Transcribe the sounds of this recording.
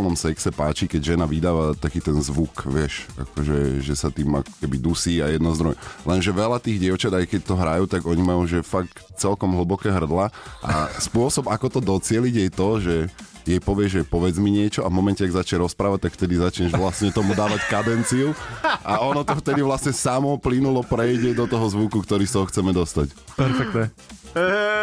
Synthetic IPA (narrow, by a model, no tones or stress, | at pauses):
lnɔmsɛksɛpaːt͡ʃikɛɟʒɛnaʋid̪aːʋat̪akiːt̪ɛnzʋukʋɪɛʃa̰kɔʒɛ̰ʒɛsat̪iːma̰kɔ̥kɛbid̪usiːajɛd̪nɔzd̪ɾɔjlɛnʒɛʋɛlat̪iːɣɟɪɛʊt͡ʃad̪ajkɛc̚t̪ɔɦɾajuːt̪aɡɔɲimajuʒɛfak̚t͡sɛlkɔmɦl̩bɔkɛːɦr̩d̪laʔa̰spʊɔsɔbakɔt̪ɔd̪ɔt͡sɪɛliɟjɛjt̪ɔʒɛ | jɛjpɔʋɪɛʒʒɛpɔʋɛd͡zmiɲɪɛt͡ʃɔavmɔmɛncɛaɡzat͡ʃɲɛɾɔspɾaːʋac̚t̪akft̪ɛd̪izat͡ʃɲɛʒʋlasɲɛt̪ɔmud̪aːʋackad̪ɛnt͡siuʔaʔɔnɔt̪ɔft̪ɛd̪iʋlasɲɛsamɔplinulɔpɾɛjɟɛd̪ɔt̪ɔɦɔzʋukukt̪ɔɾiːst̪ɔɦɔxt͡sɛmɛd̪ɔst̪ac | pɛɾfɛk̚t̪ɛ